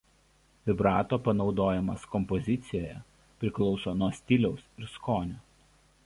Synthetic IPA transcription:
ʋʲɪbɾɑːt̪oːpɐnɒʊd̪oːjɛmɐskɔmpɔzʲɪt̪sʲɪjoːjɛ̰ | pʲɾʲɪklˠɒʊsoːnuɔsʲt̪ʲɪlʲɛʊsɪɾskoːnʲoː

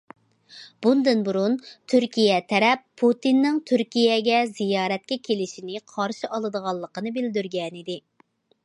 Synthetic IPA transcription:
b̥und̪ɨnbuɾunt̪ʰyɾkʲijɛt̪ʰɛɾɛpʰːut̪inːɪŋt̪ʰyɾkʲijɛɡʲɛzijɑːɾɛt̪̚kʲɛkʲʰelɪʃinɪqʰɑɾʃɨʔɑlˠɨd̪əʁɑlˠːəqənɨbɪld̪yɾɡʲɛnid̪ɪ

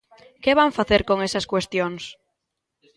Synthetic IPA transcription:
keβ̞aɱfaθeɾkoŋesaskwest̪joŋs

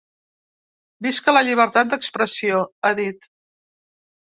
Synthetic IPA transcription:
biskələʎiβ̞əɾt̪at̪̚d̪əkspɾəsioaðit̪

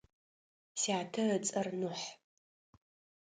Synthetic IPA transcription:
siaːtʰɐət͡sʼɐrnuħ

